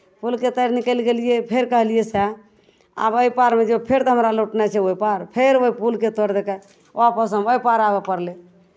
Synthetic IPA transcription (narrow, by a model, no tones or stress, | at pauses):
pulket̪əɾnikəlɡeliepʰeɾkəɦlijesɛ | a̰bəjpaɾmed͡ʒepʰeɾt̪əɦəmɾaloʈnɛt͡ʃʰɛoipaɾpʰeɾoɦipulket̪oɾd̪ekɛ | apəsəməipaɾabepəɾle